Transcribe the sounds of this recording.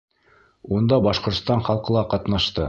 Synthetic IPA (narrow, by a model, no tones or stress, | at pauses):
und̪ɑbɑʃqŏɾt̪st̪ɑɴχɑlˠqɤ̆lˠɑqɑt̪nɑʃt̪ɤ